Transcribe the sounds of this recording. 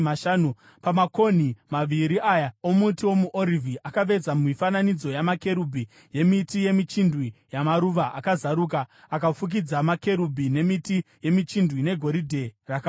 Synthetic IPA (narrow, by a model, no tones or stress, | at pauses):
maʃaːnu | pamako̞n̤imaʋiɾiʔajaomutiwo̞muʔoɾivʱiʔakaʋe̞d͡zammifananid͡zo̞jamake̞ɾubʱi | je̞mitije̞mit͡ʃindwijamaɾuʋaʔakazaɾuːk̬a | akafuk̬id͡zamake̞ɾubʱine̞mitije̞mit͡ʃindʱwine̞ɡʱo̞ɾidʱe̞raka